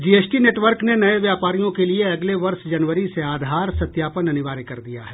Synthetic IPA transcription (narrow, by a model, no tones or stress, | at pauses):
d͡ʒiːeːsʈineːʈʋəɾknenɐeʋjaːpaːɾijõkelieɐɡleʋɐɾʃd͡ʒɐnʋəɾiseaːd̪ʱaːɾsɐt̪jaːpənɐnɪʋaːɾekɐɾd̪ija̰ɦɛː